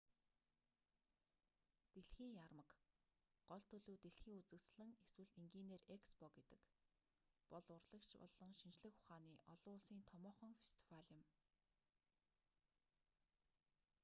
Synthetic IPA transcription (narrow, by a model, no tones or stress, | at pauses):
t̪eɮxiːŋjarmə̆k | ɢ̥ɔɮt̪ʰɵɮuːt̪eɮxiːŋut͡sɘ̆ksɮɘ̆ŋeswɘ̆ɮiŋɡiːneːrekspɔket̪ɘ̥̆k | pɔɮʊrɮə̆kt͡ɕɔ̰ɮɞ̆ŋʃint͡ɕɮɘ̆xʊ̥χaːniːʔɔɮʊːɮsiːnt̪ʰɔmɔːχɞ̆ŋfest̪ʰi̥waɮə̆m